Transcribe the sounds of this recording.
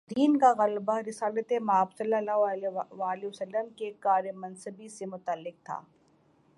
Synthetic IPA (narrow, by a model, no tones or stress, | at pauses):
d̪iːnkaɣɐlbaɾɪsaːlət̪emaːbsɐlːəlaːɦʋaːliʋɐsəlːəmkekaːɾjəmɐnsəbisemʊt̪əlːɪk̚t̪ʰa̰ː